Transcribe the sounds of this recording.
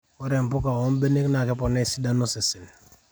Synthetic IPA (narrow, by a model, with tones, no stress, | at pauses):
o˦ɾe˨m˨pʊ˦ka˨wo˦m˦be˦ne˦kna˨kɛ˦pɔ˨nɛ˦˨si˦da˦nu˦se˨si˨n